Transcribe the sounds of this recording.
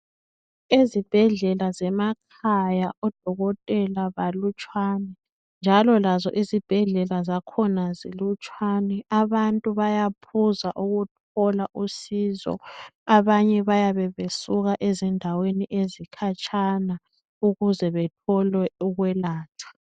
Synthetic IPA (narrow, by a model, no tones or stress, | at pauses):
izib̥ʱɛɮɛlazɛmakʰajaʔɔd̥ʱɔɣɔtʼɛlaβalut͡ʃʼwanɛ | nd͡ʒʱalɔlazɔ̰ʔizib̥ʱɛɮɛlazakʰɔnazilut͡ʃʼwanɛaβantʼuβajapʰuzaʔuɣut̚ʰɔlaʔusizɔ̰aβaɲɛβajaβɛβesuɣaʔezindʱaweniʔezikʰat͡ʃʰʼana | uɣuzɛβɛtʰɔlwɛuɣwɛlaːtʰḁ